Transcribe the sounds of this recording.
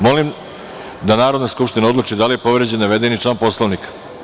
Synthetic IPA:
mo̞lim | d̪anaːɾod̪naskupʃt̪inao̞d̪lˠut͡ʃid̪alijepo̞ʋɾed͡ʑenːaʋe̞d̪enit͡ʃlaːnpo̞slˠoʋnikḁ

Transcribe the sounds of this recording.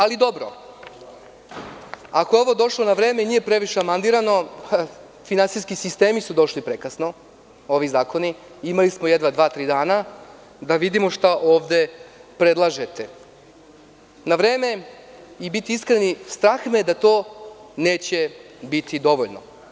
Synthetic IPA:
alid̪o̞bɾo̰ | akojeo̞ʋo̞d̪o̞ʃlˠo̞naʋɾe̞ːmeniːje̞pɾe̞ʋiʃeamand̪iɾano̞ | finansijskisist̪e̞ːmisud̪o̞ʃlipɾekɾasno̞ | o̞ʋizaːko̞ni | imalismojed̪ʋad̪ʋaːt̪ɾiːd̪aːna | d̪aʋid̪imo̞ʃt̪aʔo̞ːʋd̪e̞pɾed̪lˠaʒe̞t̪e | naʋɾe̞ːme̞ | ibit̪iiskɾenist̪ɾaxmed̪at̪o̞ːneːt͡ɕe̞ | bit̪ʰid̪o̞ʋoʎno̰

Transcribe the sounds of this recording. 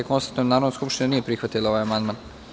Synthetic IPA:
ekonst̪ant̪nonaːɾod̪nskupʃt̪inanijepɾixʋat̪ilˠaoajamand̪maːn

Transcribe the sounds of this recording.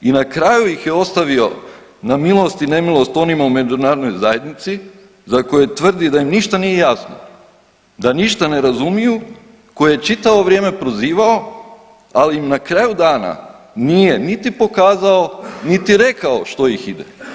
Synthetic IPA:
inakɾajujixjeo̞st̪aʋio̞ | namilˠo̞st̪ine̞milˠo̞st̪o̞nimaume̞d͡ʒunaːɾod̪no̞jzaje̞d̪nit̪si | zako̞jet̪ʋr̩d̪id̪ajimniʃt̪anije̞jasno̰ | d̪aniʃt̪ane̞ɾazumiju | ko̞jejet͡ʃit̪aʋo̞ʋɾjeːme̞pɾo̞ziːʋao̞ | aliimnakɾajud̪aːna̰ | nije̞nit̪ipo̞kaːzaonit̪iɾe̞kao̞ʃt̪o̞jixid̪ḛ

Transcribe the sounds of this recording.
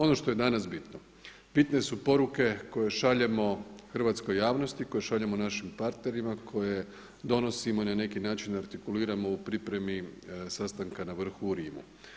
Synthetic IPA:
o̞noʃt̪o̞je̞d̪anasbit̪no | b̥it̪ne̞supo̞ɾuke̞ko̞je̞ʃaʎe̞mo̞xr̩ʋat̪sko̞jːaːʋno̞st̪iko̞je̞ʃaʎemonaʃimpaɾt̪ne̞ɾimakʰo̞je̞ | d̪o̞no̞simoinane̞kinaːt͡ʃinaɾt̪ikuliːɾamo̞upɾipɾe̞misast̪aŋkanaʋr̩xuːɾiːmṵ

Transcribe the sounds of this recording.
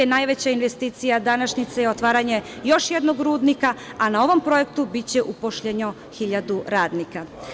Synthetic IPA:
enajʋet͡ɕainʋest̪iːt̪sijad̪anaʃɲit̪sejeot̪ʋaːɾaɲe̞jo̞ʃjed̪noɡɾuːd̪nikaanao̞ʋo̞mpɾo̞je̞kt̪ubit͡ɕeʔupoʃʎeɲo | xiʎad̪uɾaːd̪nika

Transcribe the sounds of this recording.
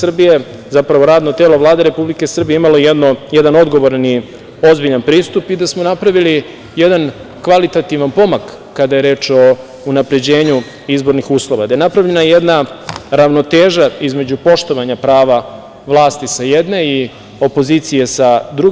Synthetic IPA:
sr̩bije | zapɾaʋo̞ɾaːd̪no̞t̪e̞ːlo̞ʋlˠaːd̪e̞ɾe̞publike̞sr̩bijeimalo̞jed̪nojed̪ano̞d̪ɡo̞ʋo̞ɾani | o̞zbiʎanpɾiːst̪upid̪asmo̞napɾaʋili | jed̪an | kʋalit̪at̪iʋanpo̞makː | ad̪aje̞ɾe̞ːt͡ʃo̞ | unapɾe̞d͡ʑe̞ːɲu | izbo̞ɾnixuːslˠo̞ʋad̪ajenapɾavʎe̞najed̪naɾaʋno̞t̪eːʒaizme̞d͡ʑupo̞ʃt̪o̞ʋaɲapɾaːʋa | ʋlˠaːst̪isajed̪ne̞i | o̞po̞ziːt̪sije̞sad̪ɾuɡ

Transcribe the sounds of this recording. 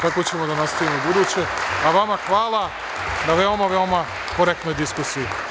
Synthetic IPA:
kakot͡ɕe̞mo̞d̪anast̪aʋimobud̪uːt͡ɕe̞aʋamaxʋaːlˠa | naʋe̞omaʋe̞oma | koɾek̚t̪no̞jd̪iskusiji

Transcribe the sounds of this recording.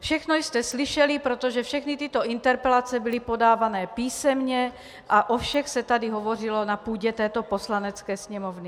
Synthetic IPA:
fʃɛxnojst̪ɛsliʃɛlipɾot̪oʒɛfʃɛxnit̪it̪oʔint̪ɛɾpɛlat͡sɛbilipodaːvanɛːpiːsɛmɲɛ | ʔaʔofʃɛxsɛt̪adiɦovor̝ilonapuːɟɛt̪ɛːt̪oposlanɛt͡skɛːsɲɛmovni

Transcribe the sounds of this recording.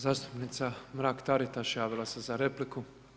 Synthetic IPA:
zaːst̪u̥pnit̪samɾaːkt̪aɾit̪aʃjaːʋilˠasezaɾepliku

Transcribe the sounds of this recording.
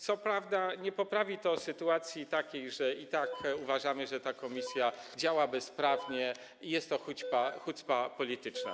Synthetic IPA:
t̪sɔpɾavd̪aɲɛpɔpɾavʲit̪ɔsɘt̪uat̪sʲjit̪akʲejʐɛit̪akuvaʐamɘʐɛt̪akɔmʲisʲjad͡ʑawabɛspɾavɲɛ | ijɛst̪ːɔxut͡ɕpaxut̪spapɔlʲit̪ɘt͡ʂna̰

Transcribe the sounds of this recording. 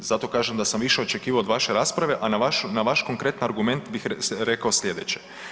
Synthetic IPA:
z̥at̪o̞kaːʒemd̪asamʋiʃe̞o̞t͡ʃe̞kiːʋaod̪ʋaʃe̞ɾaːspɾaʋe̞ʔanaaʃunaʋaʃko̞ŋkɾe̞t̪naɾɡume̞nt̪bixɾekao̞sʎʲe̞d̪et͡ɕe

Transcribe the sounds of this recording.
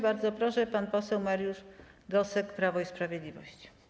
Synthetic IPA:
baɾd̪zɔpɾɔʂɛpanpɔsɛwmaɾjuʐɡɔsɛkpɾavɔispɾavʲjed̪lʲivɔ̰ɕt͡ɕi̥

